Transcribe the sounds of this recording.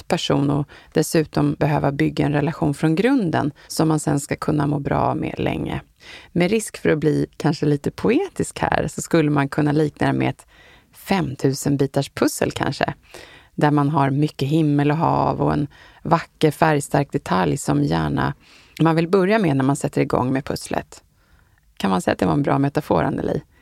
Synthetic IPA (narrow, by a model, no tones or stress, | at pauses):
pʰæʂuːnɔd̪̥ɛsʉ̟ːt̪ɔmbɛɦøːvabʏɡːaɛnɾɛlaɧuːnfɾɔnɡɾɵnd̪ə̰nsɔmːansɛnskakʰɵnːamoːbɾɑ̰ːmḛːlɛ̰ŋːə̰ | mɛɾɪskfœɾɔbliːkʰanʂəliːt̪əpʰʊeːt̪ɪskhæ̰ːɾsɔskɵlːəmankʰɵnːaliːknaəmɛ̰ɛt̪ | fɛmt̪ʰʉ̟ːsənbiːt̪aʂpʰɵsə̰lkʰa̰nʂə̰ | d̪æɾmanɦaɾmʏkːəɦɪmːəlɔɦɑːvɔɛ̰n | vakːəɾfæɾjst̪aɾk̚d̪ɛt̪ʰaljsɔmjæːɳa̰ | manvɪlbœɾjamenæɾmansɛt̪ʰːəɾɪɡɔ̰ŋːmɛpʰɵslʔə̰t̪ | kʰanmansɛjːat̪̚d̪ɛvaɾɛnbɾɑ̰ːmɛt̪afoːɾa̰nd̪ə̰lḭː